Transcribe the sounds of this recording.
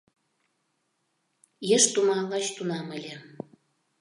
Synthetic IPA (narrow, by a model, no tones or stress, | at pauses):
jeʃt̪umɑɣɑt͡ɕt̪unɑmə̆lʲe